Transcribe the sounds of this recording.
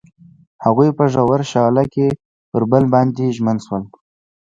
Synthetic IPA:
haɣujpəʒawaɾʃɑlake | pəɾbəlbɑnd̪eʒmənʃwəl

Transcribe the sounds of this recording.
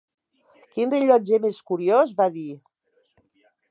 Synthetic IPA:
kinreʎɔd͡ʒemeskuɾiozβaði

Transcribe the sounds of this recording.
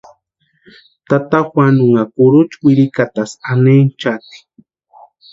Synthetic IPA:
t̪at̪axwanuŋakuɾut͡ʃwiɾikat̪asanent͡ʃat̪i̥

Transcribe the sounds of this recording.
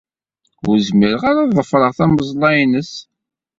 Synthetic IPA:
ṵɾzməɾəʁaɾaðˤəfɾˤəʁθæməzˤlˤɑjnəs

